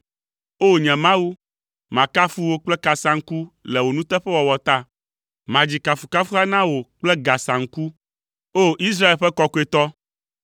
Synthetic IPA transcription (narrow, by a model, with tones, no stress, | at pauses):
o˦ɲɛ̃˨mã˦wu˦ | mã˨ka˦fu˦wo˦k͡plɛ˦ka˨sã˨ŋ̩˦ku˦lɛ˨wo˨nũ˦t̪ɛ˦ɸɛ˦wɔ˨wɔ˨t̪a˦ | mã˨d͡ʑi˨ka˨fu˨ka˦fu˦a˦nã˦wo˨k͡plɛ˦ɡa˨sã˨ŋ̩˦ku˦ | o˦ʔi˦s̬ɾa˦e˨lɸɛ˦kɔ˦ko˦e˨t̪ɔ˦